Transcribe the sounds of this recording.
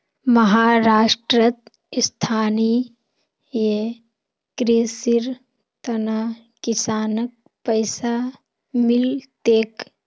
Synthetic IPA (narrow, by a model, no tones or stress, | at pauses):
məɦaːɾaːʃʈɾət̪ | st̪ʰaːni | je | kɾeːsiɾ | t̪ɐna | kɪsaːnək̚ | pəɪsa | mɪlt̪eːk